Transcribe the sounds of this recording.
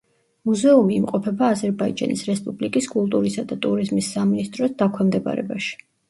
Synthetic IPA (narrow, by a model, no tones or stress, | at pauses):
muzɛumiːmqʼɔpʰɛbaːzɛɾbaḭd͡ʒa̰nisɾɛspʼublikʼiskʼulˠt̪ʼuɾisad̪at̪ʼuɾizmisːaminist̪ʼɾɔsd̪akʰwɛmd̪ɛba̰ɾɛ̰baʃi̥